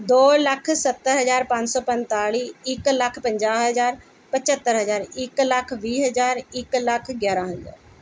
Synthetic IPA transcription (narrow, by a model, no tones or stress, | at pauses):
d̪oːlɐkʰsɐt̪ːəɾɦɐzaːɾpãːɲt͡ɕsɔːpɐ̃nt̪aːɭiɪklɐkʰpɐ̃ɲd͡ʒaːɦəzaːɾ | pɐt͡ɕət̪ːəɾɦəzaːɾɪklɐkʰʋiːɦɐzaːɾɪklɐkʰɡjaːɾãːɦəza̰ːɾ